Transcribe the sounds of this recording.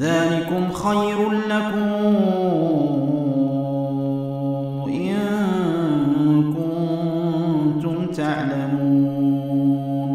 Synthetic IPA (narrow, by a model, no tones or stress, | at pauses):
ðaːlɪkʊmxajɾlakʊm | ʔɪn | ɪkʊ | nnt̪ʊmt̪aʕlamuː | n